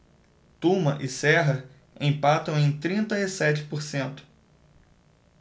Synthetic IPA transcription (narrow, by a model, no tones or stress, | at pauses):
t̪ũmɐʔɪsɛɦɐ | ẽj̃pat̪ɐ̃w̃ẽj̃t̪ɾĩnt̪ɐisɛt͡ʃɪ̥poɾsẽnt̪ʊ̥